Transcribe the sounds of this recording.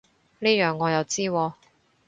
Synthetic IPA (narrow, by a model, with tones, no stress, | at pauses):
niː˥jœː˨˩ŋːɔː˨˧jɐ˨˧wt͡siː˥wɔː˧